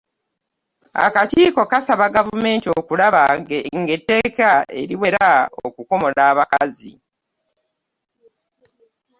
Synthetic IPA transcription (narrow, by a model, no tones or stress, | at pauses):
a̰katiːko̞kasaβaɡavume̞ːntio̞kulaβaɡeŋɡe̞tːe̞ːkae̞̰ɾiwe̞ɾao̰kuko̞mo̞laːβakazḭ